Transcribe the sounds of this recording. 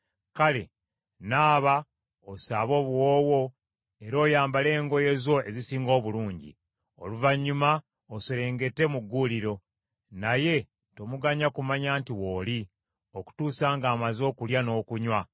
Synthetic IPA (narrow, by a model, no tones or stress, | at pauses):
kale̞̰ | naːβa | osaːβo̞ːβwoːwo̞ | e̞ɾo̞ːjaːmbale̞ːŋɡo̞je̞zo̞e̞zisiːŋɡo̞ːβuluːɲɟḭ | o̰luvaɲːuma | osoɾe̞ːŋɡe̞tːe̞muɡːuliɾo̞ | naje̞ | to̞muɡaɲakumaɲaːntiwo̞ːli | o̞ku̥tuːsaːŋɡaːmazo̞ːkuljano̞ːkuɲwa